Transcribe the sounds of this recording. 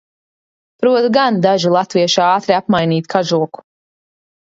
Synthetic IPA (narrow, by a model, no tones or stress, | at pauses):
pɾuɔt̪ɡand̪aʒilˠat̪viɛʃaɑːt̪ɾiapmajniːt̪kʰaʒuɔku̥